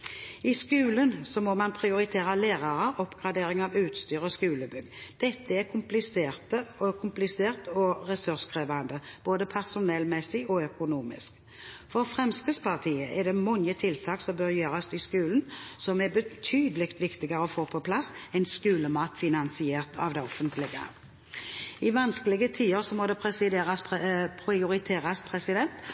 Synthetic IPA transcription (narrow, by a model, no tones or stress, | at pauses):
ɪskʉːlənsɔmɔmɑnpʰʁɪʊɾɪt̪ʰeːɾɑleːʁɑɾəɔpːɡ̥ʁɑd̪eːɾɪŋɑʋʉːt̪st̪yːʁɔskʉːləbʏɡd̪̥ɛt̪ːəɛɾkʰʊmplɪseːʁt̪əɔkʰʊmplɪseːʁt̪ɔʁɛsʉʁskʰʁeːʋand̪əb̥oːd̪əpʰæʁsʊnɛlmɛsɪɔœkʊnuːmɪ̰sk | fɔɾfɾɛmskəspʰɑʁt̪ʰiːəʔɛd̪ɛmɔŋət̪ʰɪlt̪ʰɑːksɔmbøɾjøːɾɑsɪskʉːlənsɔmɛbət̪ʰyːd̪əlɪkt̪ʋɪkt̪ɪɡɑɾəɔfoːpʰɔpʰlɑsɛɪnskʉːləmɑːt̪fɪnɑnsɪeːʁt̪ʰɑ̰ʋd̪ɛɔfənt̪ʰlɪɡə̰ | ɪʋɑnskəlɪɡət̪ʰiːəɾsɔmɔd̪ɛɛsɪd̪eːɾɑspʰʁɪʊɾɪt̪ʰeːɾɑspʰɾɛsɪd̪ɛnt̪